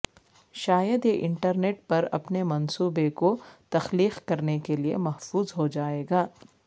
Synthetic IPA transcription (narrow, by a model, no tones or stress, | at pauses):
ʃaːjəd̪jeʔɪ̃ɳʈəɾneːʈ̚pɐɾɐ̰pnemɐnsuːbekot̪ɐxliːxkɐɾnekeliḛmɐɦfuːzɦod͡ʒaːeːɡaː